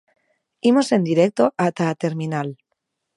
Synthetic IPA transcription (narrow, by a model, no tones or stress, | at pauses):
imo̞se̞nd̪iɾek̚t̪o̞ʔat̪at̪e̞ɾminal